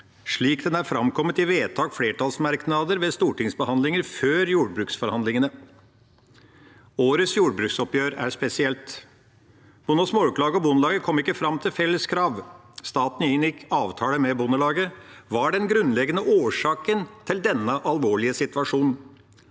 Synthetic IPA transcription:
ʂɭiːkd̪ɛnæɾfɾɑmkʰɔmːət̪ɪʋeːt̪ʰɑːkfleːʈʰɑːlsmɑɾknɑd̪əɾʋɛst̪uːʈɪŋsbəhɑnd̪lɪŋəɾføːɾjuːɖ̚bɾʉːksfɔɾhɑnd̪lɪŋənə | oːɾəsjuːɖbɾʉksɔpjøːɾæ̰ʂpɛsɪɛlt̪ | b̥ʊnɔsmoːʉplɑːɡəɔbʊnəlɑːɡəkʰɔmːɪkːəfɾɑmːt̪ʰɪlfɛlːəskʰɾɑːʋ | st̪ɑːt̪n̩ɪɪnjɪkʰːɑːʋt̪ʰɑːləmɛbʊnəlɑːɡəʋɑɖɛnɡɾʉnːlɛɡənəʔoːʂɑːkənt̪ʰɪld̪ɛnːəʔɑlʋoːɭɪəsɪt̪ʋɑʂuːn̩

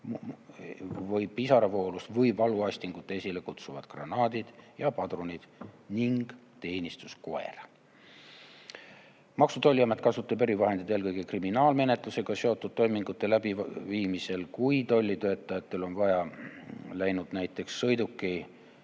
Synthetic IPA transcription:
vɤjpisɑɾɑvo̞ːlust̪vɤjvɑluɑsʲt̪iŋɡ̥ut̪ːˑeesʲile̞kut̪suvɑd̪̥ɡrɑnɑːd̪id̪̥jɑpɑd̪ronʲid̪̥niŋɡ̥ | t̪e̞ːnʲist̪usko̞e̞̰rɑ | mɑksut̪o̞lʲːiɑmet̪̚ːˑkɑsut̪ːˑɑbeɾivɑɦed̪̥id̪elkɤjɡ̥e̞kriminɑːlme̞ne̞t̪ˑluse̞ɡ̥ɑse̞o̞t̪ːˑud̪̥̚t̪ːo̞jmiŋɡ̥ut̪ːe̞læbiviːmise̞lkujt̪o̞lʲːit̪ø̞ːt̪ːˑɑjɑt̪ːe̞lo̞nvɑjɑ | læjnud̪̥næjt̪ːˑe̞ksːɤjd̪ukːˑi

